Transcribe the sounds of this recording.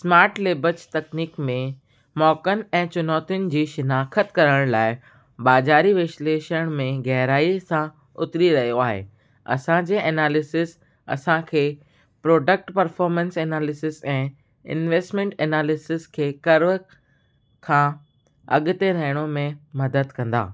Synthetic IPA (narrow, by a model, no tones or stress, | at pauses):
smaːɾʈleːbəd͡ʑt̪ɐkniːkmẽ | mɔːkənɛ̃ːt͡ɕʊnɔːt̪ɪʊnɪ̆d͡ʑiːʃɪnaːkʰət̪kɐɾəɽ̃laːɪ | baːzaːɾiʋɪʃleːʃəɽ̃mẽɣɛɦɾaːisã | ʊt̪ɾiɾɐɦijoaːɦḛ | ɐ̰sãd͡ʑeːʔeːnaːlɪsɪs | ɐ̰sãkʰeː | pɾoːɖək̚ʈpɐɾfɔːɾmə̃nseːnaːlɪsɪsɛ̃ː | ɪ̰nʋeːsʈmɛ̃ɳʈeːnaːlɪsɪskʰeːkɐɾʋ | kʰã | ɐ̰ɠʊt̪eɾɐɦɪɽ̃omẽmɐd̪əd̪kɐ̃nd̪a̰ː